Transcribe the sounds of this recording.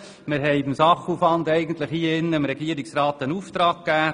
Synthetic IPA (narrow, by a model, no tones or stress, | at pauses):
mɪɾɦɛɪbɪmsɑχuːfvɑnd̪ɛɪɡən̩t̪ləχhiːɪnːəɪmɾɛɡiəɾiksrɑːt̪ənuːft̪ɾɑːkkːæː